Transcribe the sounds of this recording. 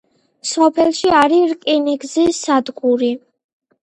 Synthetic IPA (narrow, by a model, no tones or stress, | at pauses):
sɔpʰɛlˠʃiaɾiɾkʼiniɡzisad̪ɡʼuɾi